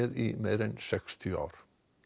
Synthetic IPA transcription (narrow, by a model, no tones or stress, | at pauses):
ɛðimeːɾɛnsɛkst̪ʰɪa̰wɾ̥